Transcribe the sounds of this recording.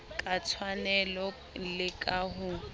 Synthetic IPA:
kʼat͡sʰwanɛlɔ | lɪkʼaɦʊ

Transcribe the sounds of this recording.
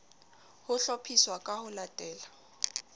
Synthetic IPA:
hʊɬɔpʰiswakʼahʊlatʼɛːla

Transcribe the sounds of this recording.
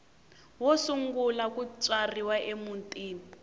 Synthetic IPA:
wɔsuŋɡulakut͡ʃʼariwaʔemuntʼiːni

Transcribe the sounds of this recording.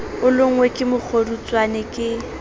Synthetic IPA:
ʊlʊŋ̩wekʼɪmʊk͡xʰorut͡sʼwanɪkʼɪ

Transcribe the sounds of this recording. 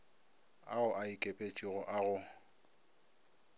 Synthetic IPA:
a̰ʊʔaikʼepʼet͡ʃʼiɣɔʔaɣʊ

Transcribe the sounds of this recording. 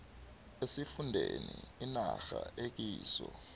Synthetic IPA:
esifundʱeniinaxaʔek̬iːsɔ

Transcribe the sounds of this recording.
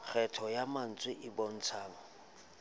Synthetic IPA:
k͡xʰɛtʰɔjaman̩t͡sʼwɪʔɪbɔn̩t͡sʰaːŋɔ

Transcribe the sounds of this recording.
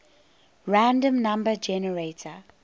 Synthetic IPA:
ɹãndə̃mnãmbəd͡ʒɛnəɹetʰə

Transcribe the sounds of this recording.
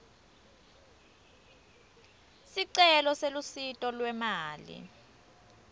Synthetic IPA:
siǀɛlɔselusitʼɔlwɛmaːlḭ

